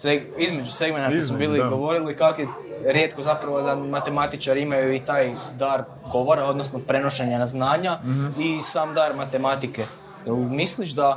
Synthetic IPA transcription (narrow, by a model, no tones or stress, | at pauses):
seizme̞d͡ʒuse̞ɡme̞nak̪osmobiːliɡo̞ʋo̞ɾilikakje | ɾje̞t̪ko̞zapɾaʋod̪amat̪e̞mat̪it͡ʃaɾimajuit̪aːjd̪aːɾ | ɡo̞ʋoɾao̞d̪no̞snopɾe̞no̞ʃeɲanaznaːɲaisaːmd̪aːɾmat̪e̞mat̪ike̞ | misliʒd̪a